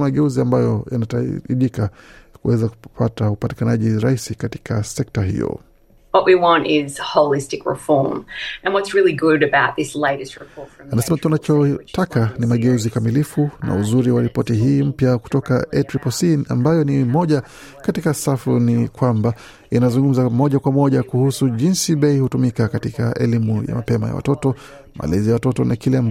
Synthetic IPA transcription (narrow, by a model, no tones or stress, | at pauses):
maɠɛuziambajɔjanataiʄikakuwɛzaku̥pʰataupati̥kanaʄiɾaisikati̥kʰasɛk̚taɦḭjɔ̰ | wʌʔwiwɑ̃ntɪz̥hoʊlˠɪstɨkɹɪ̰fɔɹmɨ̃nwʌtsɹɪlˠiɡʊɾɨbaʊt̪̚ðɪsleɪɾɨst̚ɹɨpʰɔɹtfanasɛmatunat͡ʃɔtʰakanimaɠɛuzikamilifuna̰uzuɾiwaɾipɔtiɦiːm̩pjaku̥tɔka̰ɛtɾipɔsia̰mbajɔnimɔʄa | katikasafunikwamba | inazuŋɡum̩zamɔʄakwamɔʄakuhusuʄinsiɓɛihutumikakatikaʔɛ̰limuja̰mapɛmaja̰wa̰tɔtɔ | ma̰lɛzijawatɔtɔnʔa̰kilɛamba